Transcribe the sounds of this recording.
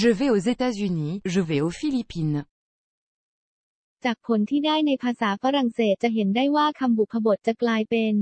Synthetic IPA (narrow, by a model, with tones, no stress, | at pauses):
ʒə˨vɛ˧o˨ze˧t̪aː˥zy˧niː˨˦ʒə˨vɛ˨˦o˨fi˦˧li˧pi˧n | t͡ɕaː˨˩k̚pʰo˩˦nt̪ʰiː˥˩daː˥˩jna˧jpʰaː˧saː˩˦fa˧ɾa˨˩nseː˨˩t̪̚t͡ɕa˨˩ɦe˩˦ndaː˥˩jwaː˥˩kʰa˧mbu˨˩kʰpʰːa˧bo˨˩t̪̚t͡ɕa˨˩klaː˧jpe˧n